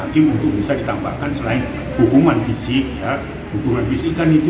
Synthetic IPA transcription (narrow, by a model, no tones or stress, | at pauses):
akɪmunt̪ʊk̚bisadit̪amba̰hkansəlaɪn | hukumanfisɪk̚ja | hukumanfisikːanit̪u